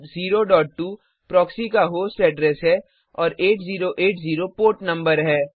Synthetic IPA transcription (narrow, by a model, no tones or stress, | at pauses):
ziːɾoɖɔːʈ̚ʈːuː | pɾɔːksikaɦoːsʈɛɖɾɛːsɦɛː | ɔːɾeːʈziːɾoʔeːʈziːɾopoːʈnɐ̃mbəɾɦɛː